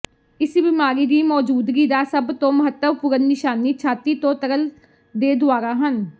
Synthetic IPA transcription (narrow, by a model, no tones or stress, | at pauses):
ɪsbɪmaːɾiːd̪iːmɔːd͡ʒuːd̪ɡiːd̪aːsəbt̪õːməɦət̪ːəʋpʊɾənːɪʃaːniːt͡ʃʰaːt̪iːt̪õːt̪əɾəl | d̪eːd̪ʊaːɾaːɦən